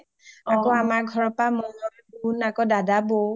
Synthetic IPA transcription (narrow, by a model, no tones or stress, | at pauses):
akɔamaɡʱɔɹɔpamɔɦɔlbunakɔdadabo